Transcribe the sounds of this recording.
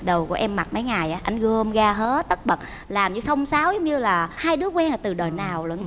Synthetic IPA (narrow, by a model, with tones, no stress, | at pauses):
ɗə˨˩wku˧˩əʔɛ˧mːa˨˩t̚mə˨˦jŋa˨˩jʔaː˨˦ʔa˧jŋ̟ɣə˧mɣaː˧ɦəː˨˦˥t̪ə˦˥t̚ɓə˨˩t̚ | laː˨˩mɲɨ˧sə˧wŋ͡msaː˨˦wzʊ˨˦ŋ͡mɲɨ˧laː˨˩haː˧jɗɨ˨˦əkwɛ˧naː˨˩t̪ɨ˨˩ɗəː˨˩jnaː˨˩wlṵ˧˩ə˦n